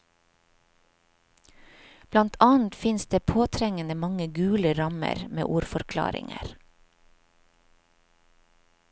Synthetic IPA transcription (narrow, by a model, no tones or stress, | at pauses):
b̥lɑnt̪ʰɑːn̩t̪fɪnsd̪eːpʰoːt̪ʰɾɛŋənəmɑŋəɡʉːləɾɑmə̰ɾmḛːʔuːɾfɔɾkʰlɑ̰ːɾɪ̰ŋə̰ɾ